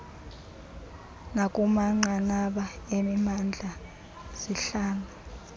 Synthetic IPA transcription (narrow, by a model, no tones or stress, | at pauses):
nakʼumaŋ͡ǀaŋ͡ǀaɓaemimand͡ɮʱa | z̥iɬaːŋa